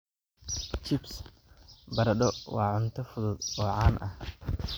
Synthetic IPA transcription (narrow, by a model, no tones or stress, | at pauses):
t͡ʃɪbs | bɐɾɐɖɔwɑːʕʊnt̪ʰɐfʊðʊd̪ɔːʕɑːnʔɐh